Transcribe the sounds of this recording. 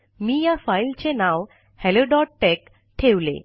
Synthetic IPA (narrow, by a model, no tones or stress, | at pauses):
miːjafailt͡ɕenaw | hɛloɖɔʈʈɛk | ʈʰeʋlḛ